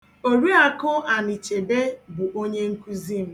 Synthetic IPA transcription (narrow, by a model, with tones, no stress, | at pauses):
o˨ɾi˦a˨kʊ˦a˨ni˨t͡ʃe˨de˦bʊ˨ʔo˦ɲe˦ŋ̩˦ku˦zi˦m̩˦